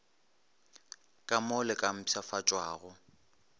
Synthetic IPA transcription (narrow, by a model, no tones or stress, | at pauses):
kʼamɔlɪkʼam̩pʰsafat͡ʃʼwaːɣʊ